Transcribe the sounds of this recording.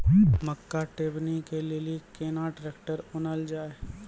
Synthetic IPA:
məkːaʈeːbnikelelikeːnaʈɾeːkʈəɾʊnəld͡ʒaːe

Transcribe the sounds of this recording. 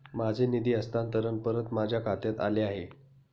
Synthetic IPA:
mad͡zʱenid̪iːəst̪ant̪əɾənpəɾət̪mad͡ʑʱjakʰat̪jat̪a̰leaɦe

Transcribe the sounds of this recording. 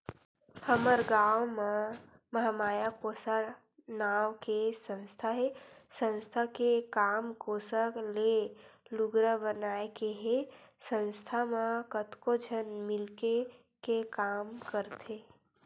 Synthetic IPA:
həməɾɡaːwmẽ | məɦamaːjakoːsa | naːwkesə̃nst̪ʰaɦesə̃nst̪ʰakekaːmkoːsəkleluɡɾəbənaːekeɦesə̃nst̪ʰamẽkət̪kod͡ʒʱənmɪlke | kekaːmkəɾt̪e

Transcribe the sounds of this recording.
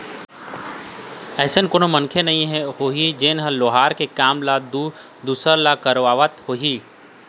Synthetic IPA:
ɛːsenkoːnomɐnkʰenɐɦĩɦɛ̃hoːɦid͡ʒeːnɦə̃loːɦaːɾkekaːmlad̪u | d̪uːsəɾlakəɾʋaːʋət̪hoːɦi

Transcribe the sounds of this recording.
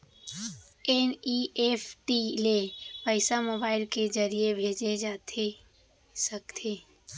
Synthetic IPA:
ɛniefʈilepəɪsamoːbaːɪlkezəɾijebʱeːd͡ʒed͡ʒaːt̪ʰe | sɐkt̪ʰeː

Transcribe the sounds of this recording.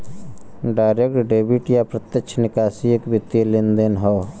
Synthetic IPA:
ɖaːɪɾekʈɖeːbiʈjapɾət̪jəkt͡ʃʰnɪkaːsiekbɪt̪ːilɪnd̪enɦɔː

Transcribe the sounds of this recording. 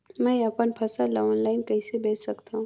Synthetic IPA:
mɛ̃ɐpənpʰɐsalaːnlaːɪnkɐisebeːt͡ʃsɐkt̪aɦũː

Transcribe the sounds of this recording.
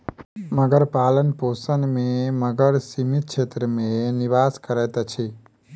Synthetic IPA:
məɡəɾpalənposənmẽməɡəɾsimit̪̚ʃʰet̪ɾəmẽniʋaskəɾet̪at͡ʃʰe

